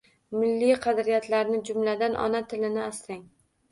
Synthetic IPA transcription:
mɪlːijqʰɑd̪ɾijat̪ʰlaɾnɪd͡ʒʊmlad̪anʔɒ̰nat̪ʰɪlɪnɪast̪aŋ

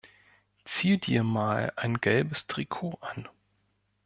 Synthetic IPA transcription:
t͡siːdiːɐmaːlaɪnɡɛlbəstʁ̥ikʰoːʔan

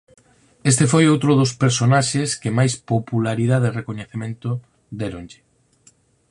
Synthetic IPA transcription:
est̪efojowt̪ɾʊðʊspeɾsonaʃeskɪmajspopulaɾiðaðerekoɲeθemẽnt̪ʊ | d̪eɾõnʎɪ

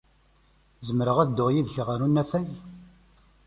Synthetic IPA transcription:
zəmɾəʁæðd̪ːʊʁjiðçʁəɾunːæfæj

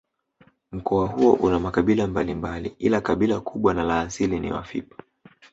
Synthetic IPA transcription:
m̩kɔwaɦuɔʔunamakaɓilambalimbalḭʔilakaɓilakʰuɓwanalaːsilinḭwa̰fḭpḁ

